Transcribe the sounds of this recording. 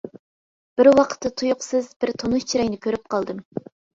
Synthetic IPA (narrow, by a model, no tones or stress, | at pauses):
b̥ɪɾwɑqʰə̥t̪ːɨt̪ʰujʊqsɨzbɪɾt̪ʰonu̥t͡ʃʰiɾɛjnɪkʲʰøɾyp̚qʰɑlˠd̪ɨm